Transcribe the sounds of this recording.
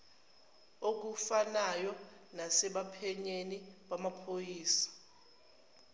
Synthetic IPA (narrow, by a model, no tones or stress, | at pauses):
ok̬ufanajɔ | nasɛɓapʰɛɲeniɓamapʰojiːsḁ